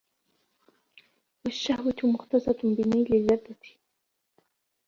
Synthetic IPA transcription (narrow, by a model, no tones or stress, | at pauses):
waʃːahwat̪mʊxt̪asˤɑt̪bɪnajlɪlːad̪ːat̪